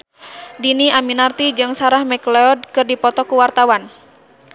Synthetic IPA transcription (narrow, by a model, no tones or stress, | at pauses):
diniaminart̪id͡ʒɨŋsaɾahmɛkleɔd̚kɨrdipɔt̪ɔkuwart̪awan